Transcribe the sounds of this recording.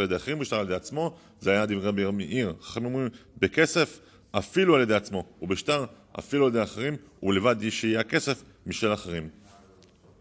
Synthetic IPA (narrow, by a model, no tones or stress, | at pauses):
aljed̪eaχeimbeʃtaʁaljede̞at͡smo̞ | zeajad̪ivʁebeʁmeʔiʁḁχamimʁimbeke̞se̞f | afilualjede̞at͡smo̞ubeʃtaʁ | a̰filualjed̪eaχeʁimulevad̪iʃeijake̞se̞f | miʃelaχeʁim